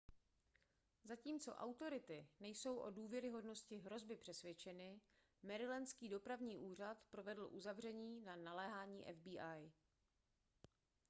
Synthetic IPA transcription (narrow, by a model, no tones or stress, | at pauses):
zaciːmt͡so̞̰ʔa̰wt̪o̞ɾɪt̪ɪnɛjso̞wʔoduːvjɛɾɪɦo̞dno̞scɪɦɾo̞zbɪpr̝̥ɛsvʲjɛt͡ʃɛnɪ | mɛɾɪlɛnskiːdo̞pɾavɲiːʔuːr̝at̪pɾo̞vɛdl̩ʔuzavr̝ɛɲiːnanalɛːɦaːɲiːʔɛ̰vbiːʔaj